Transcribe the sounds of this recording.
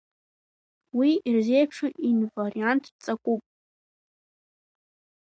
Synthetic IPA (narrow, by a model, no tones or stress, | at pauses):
wiirze̞jpʰʂuʔinvariantʰt͡sʼakʷʼupʼ